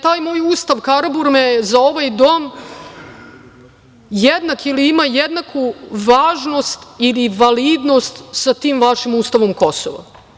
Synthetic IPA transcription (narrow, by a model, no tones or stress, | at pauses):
t̪aːjmo̞ːjuːst̪aʋkaɾabuɾmezao̞ʋajd̪o̞ːm | jed̪nakiliimajed̪nakʰuʋaːʒno̞st̪iliʋaliːd̪no̞st̪sat̪iːmʋaʃimuːst̪aʋo̞mko̞so̰ʋa̰